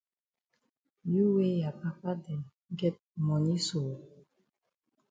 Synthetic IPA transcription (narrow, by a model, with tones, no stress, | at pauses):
ju˦we˦ja˨pa˦pa˦dɛ˨n˦ | ɡɛ˦t̚mɔ˨ɲi˦soː˨